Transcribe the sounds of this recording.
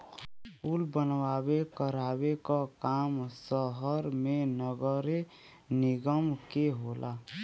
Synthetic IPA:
puːlbənwaːwekəɾaːwekakaːmsəɦəɾmẽnəɡəɾe | nɪɡəmkeɦolʔaː

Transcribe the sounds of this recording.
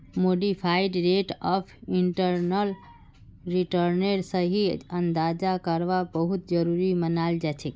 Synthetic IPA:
moɖipʰaiɖɾeʈɔpʰiɳʈəɾnəl | ɾiʈəɾneɾsə̃ɦiənd̪ad͡ʒakəɾʋabəɦut̪d͡ʒəɾuɾimənald͡ʒat͡ʃʰɛk

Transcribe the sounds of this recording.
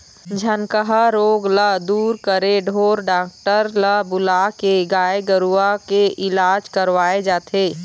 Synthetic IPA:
d͡ʒʱɐnkəɦaɾoːɡləd̪uːɾkəɾeɖʱoːɾɖaːk̚ʈəɾləbʊlaːkeɡaːeɡəɾuakeʔɪlaːd͡ʒkɐɾʋaːed͡ʒaːt̪ʰeː

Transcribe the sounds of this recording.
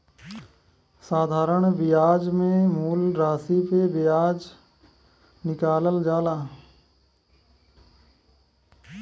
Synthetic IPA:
saːd̪ʱaːɾəɳ̃bɪjaːd͡ʒmẽmuːlɾaːsipebɪjaːd͡ʒ | nɪkaːləld͡ʒaːlaː

